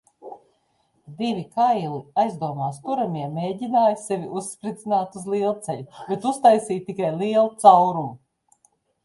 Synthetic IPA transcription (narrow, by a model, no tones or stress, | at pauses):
d̪ivʲikajlˠiajzd̪uɔmaːst̪uɾamiɛmeːɟinaːjsɛvʲiʔusːpɾid̪zinaːt̪uzlˠiːlˠt̪sɛʎubɛt̪ust̪ajsiːt̪ikajlˠiɛlˠut̪sawɾum